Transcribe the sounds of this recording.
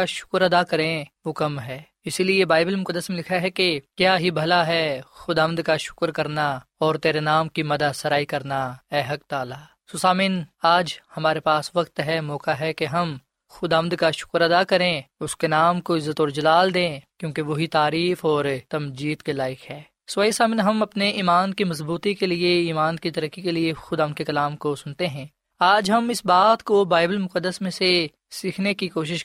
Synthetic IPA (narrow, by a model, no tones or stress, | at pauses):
aʃʊ̥kɾɐd̪akɐɾẽʋokɐmɦɛː | ɪsiliebaːɪbəlmʊkəd̪ːəsmẽlɪkʰaɦɛkekjaːɦibʱɐlaɦɛxʊd̪aːʋə̃nd̪kaʃʊ̥kɾkɐɾnaɔːɾt̪eːɾenaːmkimɐd̪asɐɾaːikɐɾnaɛːɦɐk̚t̪aːlaː | sosaːmĩːnaːd͡ʒhɐmaːɾepaːsʋɐkt̪ɦɛmɔːkaɦɛkeɦɐm | xʊd̪aːʋə̃nd̪kaʃʊ̥kɾɐd̪akɐɾẽʊskenaːmkoɪzːət̪ɔːɾd͡ʒɐlaːld̪ẽːkjõːkeʋoɦit̪aːɾiːfɔːɾt̪ɐmd͡ʒiːd̪kelaːɪkɦɛː | sʋaːisaːmɪnɦɐmɐpneʔiːmaːnkimɐz̬buːt̪ikelieiːmaːnkit̪ɐɾəkːikeliexʊd̪aːmnd̪̚kekɐlaːmkosʊnt̪eɦɛ̃ː | aːd͡ʒɦɐmɪsbaːt̪kobaːɪbəlmʊkəd̪ːəsmẽse | siːkʰnekikoːʃ̬ɪʃ